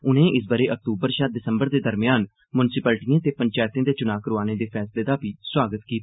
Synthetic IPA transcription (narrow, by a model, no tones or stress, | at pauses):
ʊnẽːʔɪsbəɾeːʔək̚t̪uːbəɾʃaɖɪsəmbəɾd̪eːd̪əɾmɪjaːn | mʊnsɪpəːlʈijãːt̪eːpəɲt͡ʃaːjt̪ãːd̪eːt͡ʃʊnaːkəɾoaːneːd̪eːpʰɛːsleːd̪aːpiːswaːɡət̪kiːt̪ː